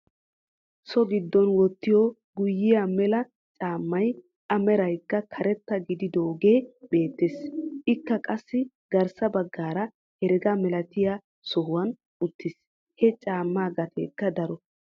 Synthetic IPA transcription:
sɔɡɪd̪ːɔnwɔt̪ːɪjɔ | ɡʊjːɪjamɛlɐ | t͡ʃʼaːmːɐj | ʔɐmɛɾɐjkːɐkʰɐɾɛt̪ːɐɡɪd̪ɪd̪oːɡe̞ːbe̞ːt̪ːeːsʔɪkːɐkʼɐsːɪ | ɡɐɾsɐbɐɡːaːɾɐ | hɛɾɛɡɐmɛlɐt̪ɪja | sɔhʊwɐn | ʊt̪ːɪs | hɛt͡ʃʼaːmːaːɡɐt̪ʰḛːkːɐd̪ɐɾɔ

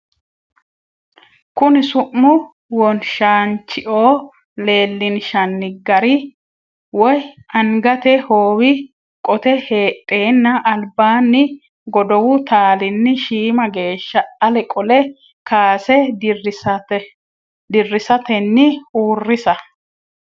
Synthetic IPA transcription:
kʊnɪsʊʔːʊ | wɔnʃaːnt͡ʃːɪʔoː | le̞ːlːɪnʃɐnːɪɡɐɾɪ | wɔj | ɐŋɡɐt̪ɛhoːwɪ | kʼɔt̪ɛhe̞ːtʼːe̞ːnːɐʔːlbaːnːɪ | ɡɔd̪ɔwʊt̪aːlɪnːɪʃiːmɐɡe̞ːʃːɐɐlɛkʼɔlɛ | kaːsɛ | d̪ɪrːɪsɐt̪ɛnːɪhuːrːɪsɐ

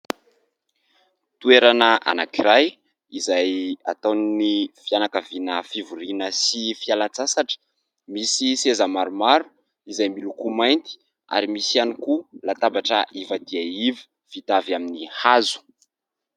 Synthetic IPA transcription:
t̪ueɾanəʔa̰nakiɾaj | izaja̰t̪anifianakavinəfivuɾinəsifialant͡sasaʈ͡ʂə̥ | misisezəmaɾumaɾu̥ | izajmilukumajnt̪i̥ | a̰ɾimisianikulat̪abaʈ͡ʂəʔivad̪iaivi̥ | fit̪avjaminihazu̥

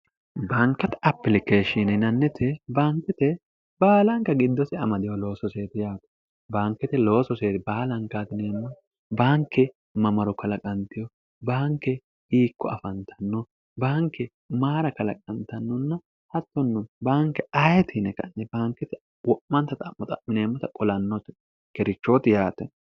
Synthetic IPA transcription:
baːŋkːɐt̪ɐpːɪlɪkeːʃinɛnɐnːɛt̪ʰɛbaːŋkːɛt̪ɛ | b̥aːlɐŋkːɐɡɪd̪ːɔsɪɐmɐd̪ɪjɔlo̞ːsɔse̞ːt̪ɪjaːt̪ɔ̥ | baːŋkːɛt̪ɛlo̞ːsɔseːt̪ɪbaːlɐŋkːaːt̪ɪneːnːɐ | baːŋkːɛ | mɐmɐɾɔkʰɐlɐkʼɐnt̪ɪjɔ | baːŋkːɛ | hiːkːɔɐfɐnt̪ʰɐnːɔ | baːŋkːɛ | maːɾɐkɐlɐ̰kʼɐnt̪ɐnːɔnːɐ | hɐt̪ːɔnːʊbaːŋkːɛɐjɛt̪ʰɪnɛkɐ̰nːɛbaːŋkːɛt̪ɛ | wɔʔmɐnt̪ːɐt̪ʼɐmːɔt̪ɐ̰mɪneːmːɐt̪ɐkʼɔlɐnːɔt̪ɪ | kɛɾɪt͡ʃːoːt̪ɪjaːt̪ɛ

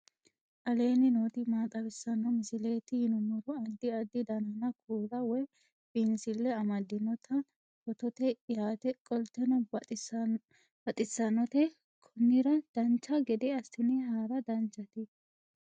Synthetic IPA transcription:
ʔɐle̞ːnɪnoːt̪ɪmaːt̪ʼɐbɪsːɐnːɔmɪsɪle̞ːt̪ɪhɪnʊmʊɾɔɐd̪ːɪɐd̪ɪd̪ɐnɐnɐkʰuːlɐwɔj | b̥ɪnsɪlːɛɐmɐd̪ːɪnɔt̪ʰɐ | kɔt̪ɔt̪ɛjaːt̪ɛkʼɔlt̪ɛnɔ | bɐt̪ʼɪsːɐnːɔt̪ɛ | kʰɔnːɪɾɐd̪̥ɐnt͡ʃːɐɡɛd̪ɛɐst̪ʊnɛhaːɾɐd̪ɐnt͡ʃːɐt̪ɪ

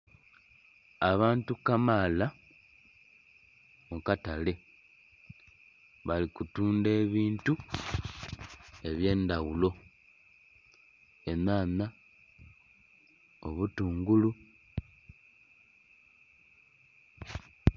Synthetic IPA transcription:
aβaːntukamaːla | mukatale̞ | βalikutuːnde̞ːβiːntu | e̞βje̞ːndawulo̞ | e̞naːna | o̞̰βutuːŋɡulu

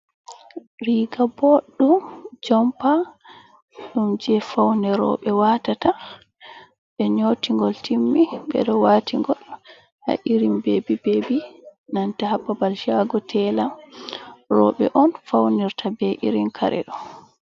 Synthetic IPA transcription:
ɾiɡaboɗːumd͡ʒɔmpa | ɗumd͡ʒɛfawnɛɾɔ̰ɓɛwaːtata | ɓɛɲoːtiŋɡɔltimːiɓɛ̰ɗɔwatʰiŋɡɔl | ha̰ʔiɾimbebibebinantahapːabalʃaɡɔtʰɛla | ɾɔ̰ɓɛ̰ʔɔnfawniɾtʰabɛʔiɾinkʰa̰ɾʔɛ̰ɗɔ

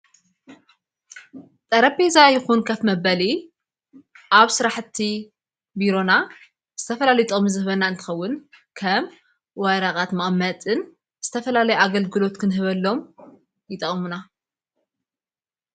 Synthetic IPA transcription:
t̪ʼɐɾɐbezajɪxunkʰafmɐbɐli | ʔaβsɨɾaħt̪ʰːi | biɾo̞na | z̥ɨt̪ʰɐfɐlalit̪ʼo̞mzɨhβɐnːaɨnt̪ʰɨ̥xɐwːʊnkʰɐm | wɐɾakʼat̪mɐʔʼmːɐt̪ʼɨn | z̥ɨt̪ʰɐfɐlalɐjuaɡɐlɡɨlo̞t̪kʰɨnɦɨβɐlːo̞m | jɪt̪ʼɐχʼmuna

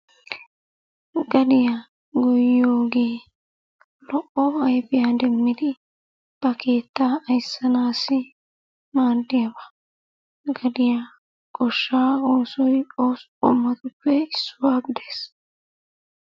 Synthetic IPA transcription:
ɡɐd̪ɪja | ɡɔjjo̞ːɡeː | lɔʔɔɐjpɪjaːd̪ɛmːɪd̪ɪ | b̥ɐke̞ːt̪ːaːɐjsːɐnaːsɪ | maːd̪ːɪjɐbɐ | ɡɐd̪ɪja | kʼɔʃːaːoːsɔjoːsʼ | ɔ̰mːɐt̪ʊpːɛɪsːʊwaːɡɪd̪es

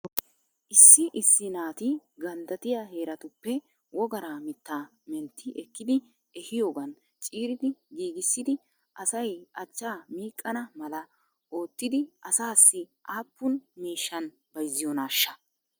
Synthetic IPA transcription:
ʔɪsːɪʔɪsːɪnaːt̪ɪɡɐnd̪ɐt̪ɪjaɦe̞ːɾɐt̪ʊpːɛ | wɔɡɐɾaːmɪt̪ːaː | mɛnt̪ʰːɪʔɛkːɪd̪ɪ | ɛhɪjo̞ːɡɐn | t͡ʃʼiːɾɪd̪ɪɡiːɡɪsːɪd̪ɪ | ʔɐsɐjɐt͡ʃːaːmiːkʼːɐnɐmɐlɐ | o̞ːt̪ːɪd̪ɪʔɐsaːsːɪʔaːpːʊnmiːʃːɐn | b̥ɐjzːɪjɔnaːʃːɐ

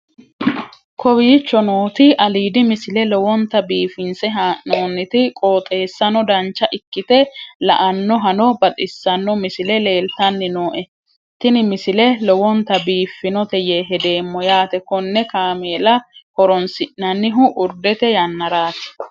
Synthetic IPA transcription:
kʰɔbiːt͡ʃːɔnoːt̪ɪʔɐliːd̪ɪmɪsɪlɛlɔwɔnt̪ːɐbiːfɪnsɛɦaʔnoːnːɪt̪ɪkʼoːt̪ʼe̞ːsːɐnɔd̪ɐnt͡ʃːɐʔɪkːɪt̪ɛlɐ̰ʔɐnːɔɦɐnɔbɐt̪ʼɪsːɐnːɔmɪsɪlɛle̞ːlt̪ɐnːɪno̞ːʔɛ | t̪ːɪnɪmɪsɪlɛlɔwɔnt̪ɐbiːfːɪnɔt̪ɛjeɦɛd̪eːmːɔjaːt̪ɛkɔnːɛkaːmeːlɐhɔɾɔnsɪʔnɐnːɪɦʊʔʊɾd̪ɛt̪ɛjɐnːɐɾaːt̪ɪ̥

